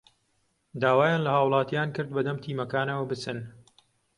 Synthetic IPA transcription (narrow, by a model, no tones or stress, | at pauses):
d̪aːwaːjaːnlɐhaːwlˠɑːt̪ijaːnkɨɾd̪̚bɐd̪ɐmt̪ʰiːmɐkaːnɐwɐbɨt͡sɨn